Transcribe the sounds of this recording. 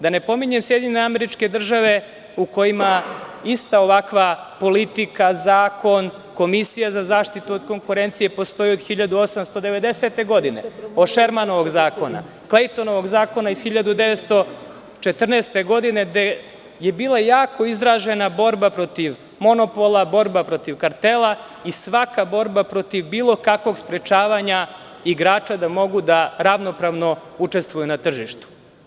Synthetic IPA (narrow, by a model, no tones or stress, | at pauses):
d̪ane̞po̞miɲe̞msjed̪iɲeneameɾit͡ʃke̞d̪r̩ʒaʋe̞ | uko̞jimaist̪ao̞ʋakʋapo̞lit̪ikazaːkʰo̞n | ko̞misijazazaːʃt̪it̪uod̪ko̞ŋkuɾe̞nt̪sije̞po̞st̪o̞jiod̪̥xiʎad̪uo̞samst̪o̞d̪e̞ʋe̞d̪e̞se̞t̪e̞ɡo̞d̪ine̞̰oʃeɾmano̞ʋo̞ɡzaːko̞na̰ | klejt̪ono̞ʋo̞ɡzaːko̞naizxiʎad̪ud̪e̞ʋet̪st̪o̞ | t͡ʃet̪r̩neːst̪e̞ɡo̞d̪ine̞d̪e | jebiːlˠajaːkʰo̞izɾaʒe̞nabo̞ɾbapɾo̞t̪iʋ | mo̞no̞po̞lˠabo̞ɾbapɾo̞t̪iʋkaɾt̪elˠa | isʋakabo̞ɾbapɾo̞t̪iʋbiːlˠo̞kakʋo̞ɡspɾet͡ʃaːʋaɲa | iɡɾaːt͡ʃad̪amo̞ɡud̪aɾaʋno̞pɾaʋno̞ut͡ʃe̞st̪ʋujunat̪r̩ʒiʃt̪u̥